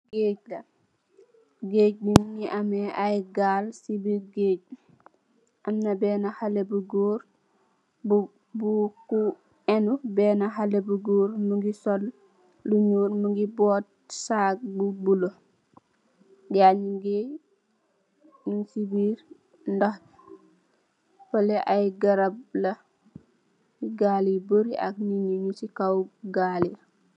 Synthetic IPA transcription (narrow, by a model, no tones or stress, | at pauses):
ɡeːɟ̚lɐ | ɡeːɟ̚bunŋiʔamɛʔajɡaːlsibiːɾɡeːɟ̚ | ʔamnɐbɛːnahalebuɡoːɾ | b | buku | ɛnubɛːnaɦalebuɡoːɾmuŋɡisɔl | luɲuːɾmuŋɡibɔːt̚saːk̚bubulo | daɲuɡe | nunsibiːɾ | ndah | pəlɛʔajɡaɾab̚lɐ | iɡaːliboɾiʔa̰k̚niɲuɲusikawɡaːli